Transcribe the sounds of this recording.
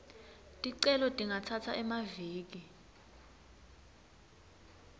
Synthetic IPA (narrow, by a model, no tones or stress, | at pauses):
tʼiǀɛlɔtʼiŋʱatʰatʰaʔɛmaviːk̬i